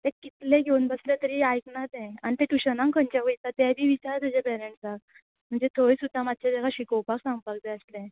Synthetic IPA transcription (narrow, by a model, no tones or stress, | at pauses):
t̪ɛ̃kit̪lẽɡʱeunbəslẽt̪əɾiːajknat̪ɛ̃anit̪eʈ̪uɕənãŋkʰənt͡ɕaʋəjt̪at̪ɛbʱiːʋit͡ɕaɾt̪ud͡ʑẽpɛɾẽɳʈsak | m̤əɳd͡zet̪ʰoɽiːsud̪ʱːamad̪̚ʱt͡ɕed̪aɡaɕikəwpaksãŋɡpak̚d̪eəslẽ